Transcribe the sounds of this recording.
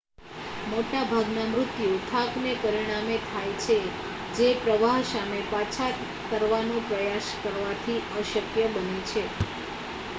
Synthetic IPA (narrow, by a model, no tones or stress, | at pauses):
moʈabʱaɡnamɾʊt̪jut̪ʰaknepəɾiɽ̃amet̪ʰajt͡ʃʰe | d͡ʒepɾəʋaɦsamepat͡ʃʰat | kəɾʋanõpɾəjaʃkəɾʋat̪ʰiəʃəkjəbənet͡ʃʰe